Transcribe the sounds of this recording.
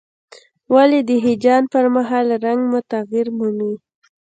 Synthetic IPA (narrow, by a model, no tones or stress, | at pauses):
waled̪əɦid͡ʒɑnpəɾmaɦɑlɾaŋɡmʊt̪aɣjiɾmumi